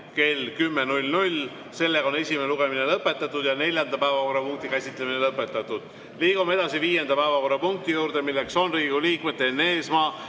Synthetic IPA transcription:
ke̞lkymːenulʲnulʲ | se̞lːe̞ɡɑone̞sʲimeneluɡ̥e̞mine̞lɤpːe̞t̪ːˑɑt̪ːˑud̪̥jɑne̞lʲjɑnd̪̥ɑpæevɑko̞rːɑpuŋk̚t̪ikæsʲit̪ˑlemine̞lɤpːˑe̞t̪ːˑɑt̪ːˑud̪̥ | liːɡ̥umeed̪̥ɑsiviːje̞nd̪̥ɑpæevɑko̞rːɑpuŋk̚t̪ijuːɾd̪e̞milːe̞kso̞nriːɡ̥uliːkˑmet̪ːˑenːeːsmɑː

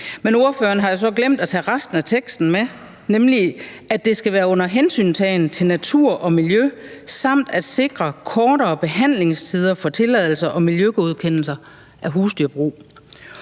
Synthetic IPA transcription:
meno̝ɐføːɐnɦɑ̈jo̝s̬ɒ̽ɡ̥lem̰d̥æt͡sʰɛ̰ːʁasd̥n̩æt͡sʰeɡ̥sd̥n̩me | nemliæd̥e̝sɡ̥æʋæːɐɔ̽n̰ɐɦensy̰ːnsɛɪn̩t͡sʰe̝lnæt͡sʰuɐ̰ʔɒ̽miljøsɑ̈m̰d̥æd̥se̝ɡ̥ʁɐkʰɒːɾ̥ɐ̽ːb̥e̝ɦæn̰le̝ŋst͡sʰiːð̞ˠɐfɒ̽t͡sʰe̝lɛð̞̰ˠl̩sɐʔɒ̽miljøɡ̥oð̞̩ˠkʰen̰l̩sɐ | ʔæɦuːsd̥yɐb̥ʁṵː

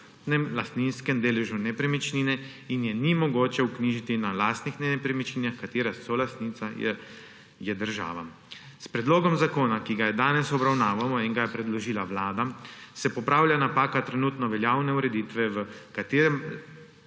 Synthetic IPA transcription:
nɛmlast̪ninskɛmd̪eːlɛʒunɛpɾɛmit͡ʃniːnɛ | injɛnimɔɡoːt͡ʃɛukniʒit̪inalaːst̪nixnɛɛpɾɛmit͡ʃniːnaxkat̪eːɾasɔlast̪nit̪sa | jɛd̪əɾʒa̰ːʋa | spɾɛd̪loːɡɔmzakoːnakiɡajɛd̪aːnɛsɔbɾawnaːʋamɔiŋɡajɛpɾɛd̪lɔʒiːlaʋlaːd̪asɛpɔpɾaːwljanapaːkat̪ɾɛnuːt̪nɔʋɛljaːwnɛuɾɛd̪iːt̪ʋɛʋəkat̪eːɾɛm

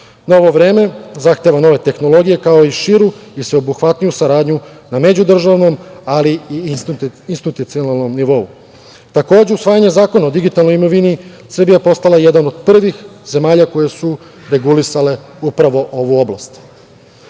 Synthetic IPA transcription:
nao̞ʋo̞ʋɾe̞ːme̞zaxt̪e̞ʋano̞ʋe̞t̪e̞xno̞lˠo̞ɡije̞kao̞iʃiɾuisʋe̞obuxʋat̪nijusaɾaːd̪ɲu | name̞d͡ʑud̪r̩ʒaʋno̞maliiinst̪it̪ut̪sionalˠno̞mniʋo̞u | t̪ako̞ːd͡ʑe̞usʋaːjaɲe̞zaːko̞nao̞d̪iɡit̪alno̞jimo̞ʋini | sr̩bijapo̞st̪alajed̪ano̞d̪̥pr̩ʋixze̞maːʎako̞je̞su | ɾe̞ɡulisale̞ | upɾaʋo̞ʔo̞ʋuo̞bla̰st̪

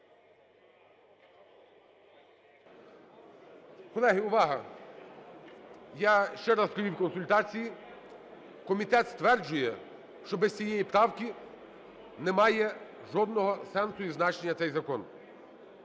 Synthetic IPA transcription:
kɔlˠɛɦiʊʋɑɦɐ | jaʃt͡ʃɛɾɑzɾɔjʲiwkɔnsʊlʲt̪ɑt͡sʲiji | kɔmʲit̪ɛt̪st̪ʋɛrd͡ʒʊjɛ | ʃt͡ʃɔbɛzʲt͡sʲijɛjipɾɑwkʲi | nɛmɑjɛ | ʒɔd̪nɔɦɔsɛnsʊjiznɑt͡ʃenʲːɐt̪sɛjzɐkɔn

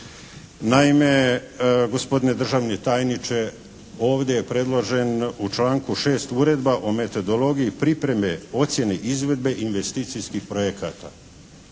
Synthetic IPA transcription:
naime̞ | ɡo̞spo̞d̪ine̞d̪r̩ʒaʋnet̪aːjnit͡ʃe̞ | o̞ːʋd̪ejepɾe̞d̪lˠo̞ʒe̞nut͡ʃlaːŋkuʃe̞ːst̪uːɾe̞d̪baʔome̞t̪o̞d̪o̞lo̞ɡijipɾipɾe̞meo̞t̪sjeneʔizʋe̞d̪̚be̞ʔinʋest̪iːt̪sijskixpɾojekat̪a̰

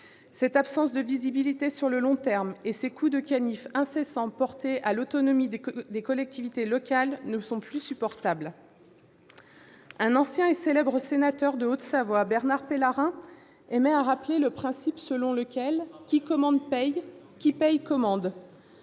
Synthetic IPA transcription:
sɛt̪apsɑ̃sd̪əvizibilit̪esyʁləlɔ̃t̪ɛʁmesekʰud̪əkʲanifɛ̃sesɑ̃pɔʁt̪eʔalot̪ɔnɔmid̪ekɔlɛk̚t̪ivit̪elɔkʲalnəsɔ̃plysypɔʁt̪abl | ɛ̃nɑ̃sjɛ̃eselɛbʁəsenat̪œʁd̪əot̪savwabɛʁnaʁpelaʁɛ̃ | emɛaʁapleləpχɛ̃sipsəlɔ̃ləkʲɛlkʲikɔmɑ̃d̪pɛj | kʲipɛjkɔmɑ̃d̪

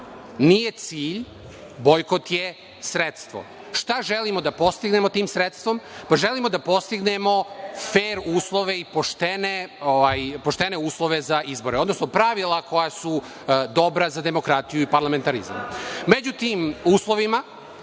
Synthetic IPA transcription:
nijet̪siːʎ | bojkot̪je | sɾet̪st̪ʋo̰ | ʃt̪aʒelimo̞d̪apo̞st̪iɡne̞mo̞t̪iːmsɾet̪st̪ʋo̞mpaʒelimod̪apo̞st̪iɡnemo̞feːɾuːslˠo̞ʋeipoʃt̪eneoʋajpo̞ʃt̪ene̞uːslˠo̞ʋe̞zaʔizbo̞ɾeo̞d̪no̞snopɾaʋilˠako̞jasu | d̪o̞bɾazad̪e̞mo̞kɾat̪ijuipaɾlame̞nt̪aɾḭza̰mmed͡ʑut̪iːmuːslˠo̞ʋima

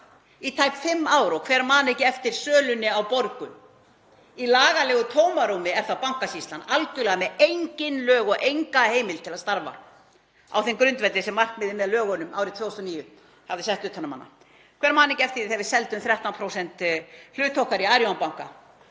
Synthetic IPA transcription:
it̪ʰaːjpfɪmːaːwɾɔkʰvɛːɾmaːnɛcɛft̪ɪɾ̥sœːlʏnːɪawpoɾkʏ | ilaːɣalɛːɣʏt̪ʰoːwmaɾuːmɪɛɾ̥θapawŋ̥kasist̪lanalcʏlɛːɣamɛejɲcɪnlœːɣɔɣʔejŋkaheːjmɪlt̪ʰɪlaðst̪aɾva̰ | a̰wθemkɾʏnt̪vɛt̪ɪsɛmːar̥kvɪðɪmːɛðlœːɣɔnʏmaːwɾɪðt̪ʰeːhust̪ɔniːjʏ | havðɪsɛht̪ʏːt̪hanːama̰nːa̰ | kʰvɛɾmaːnɛecɪɛft̪ɪɾɪθɛvɪsɛlt̪ʏmθɾjaht̪awnpʰɾowsɛn̥t̪l̥ʏːt̪ʰːowhkaɾiaːɾjoanpawŋ̥ka̰

